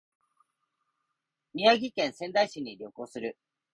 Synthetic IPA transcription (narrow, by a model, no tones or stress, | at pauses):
mʲiaɡʲikẽ̞ɰ̃sẽ̞nd̪aiɕiɲ̟ːiɾʲo̞ko̞ːsɨɾɯ̟